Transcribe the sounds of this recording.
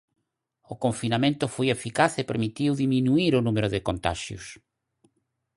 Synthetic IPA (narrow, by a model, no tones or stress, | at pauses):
ʊkõɱfinamẽnt̪ʊfojefikaθepeɾmit̪iwðimĩnuiɾʊnumeɾʊðɪkont̪a̰ʃjʊ̰s